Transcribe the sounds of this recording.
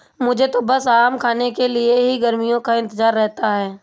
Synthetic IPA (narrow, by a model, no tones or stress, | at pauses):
mʊd͡ʒʱet̪obɐsaːmkʰaːnekelieɦiɡɐɾmijõkaɪ̃nt̪əzaːɾːɛɦt̪aɦɛː